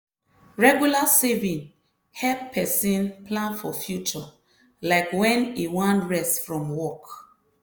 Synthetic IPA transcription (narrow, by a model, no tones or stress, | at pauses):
ɹɛɡjulasevĩn | hɛlppʰɛsĩnplãnfɔfjut͡ʃɔ | laɪkwɛ̃niwãntɹɛstfɹɔ̃mwɔk